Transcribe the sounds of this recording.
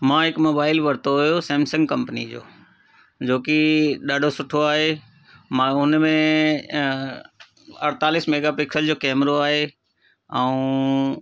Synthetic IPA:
mãːɦɪkmoːbaːɪlʋɐɾt̪oɦʊjosɛ̃ːmsə̃ŋɡkɐ̃mpənid͡ʑo̰ː | d͡ʑoːkiɗaːɖʱosʊʈʰoaːɦe | mãʊnmẽ | ɐɽt̪aːlɪsmeːɡapɪksəld͡ʑoːkɛːmɾoaːɦe | ɛũ

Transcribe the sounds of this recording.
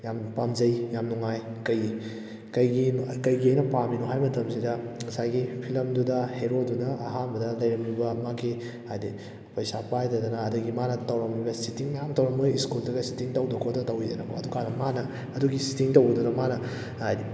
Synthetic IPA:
jampamzɐjjamnuŋajkɐj | kɐjɡikɐjɡiɐjnɐpaminuɦajmɐtʰɐmsidɐŋɐsajɡipʰilɐmdudɐheɾodunɐʔːɦanbɐdɐlɐjɾɐmubɐmaɡi | hajdi | pɐjsapajdɐdɐnɐːdɐɡimanɐtɐwɾɐmojbɐsitiŋjamtɐwɾɐmojiskuldɐɡɐsi̥tiŋtɐwdɐkʰotɐtɐwidɐnɐko̰ɐdukanɐmanɐː | duɡisi̥tiŋtɐwɡɐdunɐmanɐ | ajdi

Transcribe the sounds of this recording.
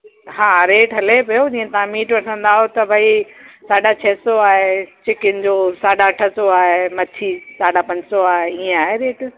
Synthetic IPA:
ɦãːɾeːʈɦɐlepɐjod͡ʑĩːẽt̪aãmiːʈʋɐʈʰə̃nd̪aːɦot̪ɐbʱɐisaːɖat͡ɕʰɐːsoaːɦet͡ɕɪkɪnɪ̆d͡ʑoːsaːɖaʈʰəsoaːɦemɐt͡ɕʰisaːɖapɐ̃ɲd͡ʑsoaːɦeiːẽaːɦeɾeːʈ

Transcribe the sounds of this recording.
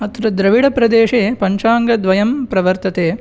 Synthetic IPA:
ɐt̪ɾɐd̪ɾɐʋiɽɐpɾɐd̪eːʂeːpɐɲt͡ʃaːŋɡɐd̪ʋɐjɐmpɾɐʋɐɾt̪ɐt̪eː

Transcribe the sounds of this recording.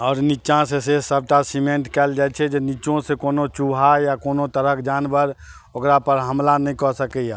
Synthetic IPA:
ɔːɾnit͡ʃãsesesəb̚ʈasimẽɳʈkɛːld͡ʒaːɛt͡ʃʰed͡ʒenit͡ʃõsekoːnot͡ʃuɦajakoːnot̪əɾəkʰd͡ʒaːnbəɾ | okɾapəɾɦəmlanəɦĩkɔsəkɛa

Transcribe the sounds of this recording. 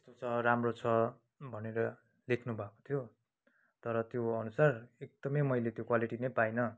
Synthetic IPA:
t̪est̪ot͡sʰʌɾamrot͡sʰʌ | bʱʌneɾʌ | lekʰnubʱako̥t̪ʰjo | t̪ʌɾʌt̪joʌnusarek̚d̪̥ʌmʌjmʌjlet̪jokwaliʈinʌjpajnʌ

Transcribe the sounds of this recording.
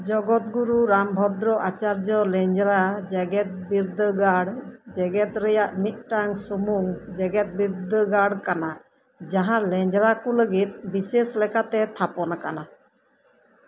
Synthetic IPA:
d͡ʒɔɡɔt̪̚ɡuɾuɾambʱɔd̪ɾɔʔat͡ʃaɾd͡ʒɔlɛɲd͡ʒɾad͡ʒɛɡɛt̪̚biɾd̪əɡaɽd͡ʒɛɡɛt̪ɾɛjaʔniʔ̚ʈaŋsumuŋd͡ʒɛɡɛt̪̚biɾd̪əɡaɽkana | d͡ʒaɦãlɛɲd͡ʒɾakɔləɡit̪̚biseslɛkat̪ɛt̪ʰapɔnakana

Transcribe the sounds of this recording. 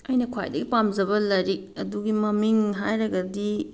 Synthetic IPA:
ɐjnɐkʰwa̰jdɐɡipamd͡ʒɐbɐlɐɾik̚ɐduɡimɐmiŋɦajɾɐɡɐdi

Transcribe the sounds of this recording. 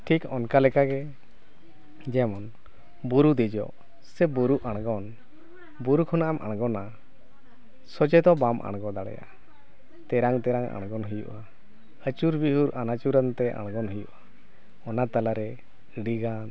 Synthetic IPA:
ʈʰikɔnkalɛkaɡɛ | d͡ʒɛmɔn | buɾud̪ɛd͡ʒɔ̰ʔ | sɛbuɾuʔaɽ̃ɡɔn | buɾukʰɔnaʔamʔa̰ɽ̃ɡɔna | sɔd͡ʒɛd̪ɔbamʔa̰ɽ̃ɡɔd̪aɽɛ̰ja̰ʔa | t̪ɛɾaŋt̪ɛɾaŋa̰ɽ̃ɡɔnɦəjṵʔa | ət͡ʃuɾbihuɾʔanat͡ʃuɾənt̪ɛʔa̰ɽ̃ɡɔnɦəjṵʔa | ɔnat̪alaɾɛ | ɖiɡan

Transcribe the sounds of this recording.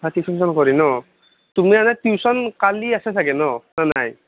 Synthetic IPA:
tʰatisʰis̬ɔnkɔɾinɔ | tumianatiwsɔnkaliasɛtʰaɡɛnɔnanaj

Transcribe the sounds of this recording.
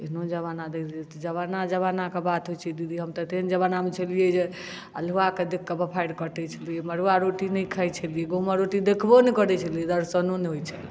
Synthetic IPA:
inod͡ʒəβanad̪ekʰliet̪ɔd͡ʒəβanad͡ʒəβanakebat̪ɦojt͡ʃʰɛd̪id̪ʱiɦəmt̪ət̪end͡ʒəβanamet͡ʃʰəlijed͡ʒe | ə̰luaked̪ekːebəpʰajɖkəʈɛt͡ʃʰəlijeməɾuaɾoʈinəjkʰəjt͡ʃʰəlijeɡoməɾoʈid̪ekʰbonɛkəɾɛt͡ʃʰəlied̪əɾsənoneɦojt͡ʃʰəl

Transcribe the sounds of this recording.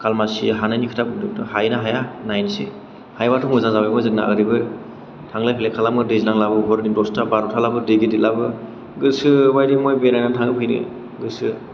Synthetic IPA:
kʰalmasḭɦanajnikʰɯ̥tʰap̚kʰɯduŋtɯhajnaɦajanajnse | hajbatʰuŋɯzaŋzawamɔjzɯŋ̚na̰ɯ̰ɾibɯ | tʰaŋlajpʰilekʰalamɯdezinaŋlabɯbɔɾnidɔstabaɾɔtʰalabɯdeɡedilabɯ | ɡɯsɯbajdimɔjbenajnatʰaŋɯpʰɯjnɯ̰ | ɡɯsɯ

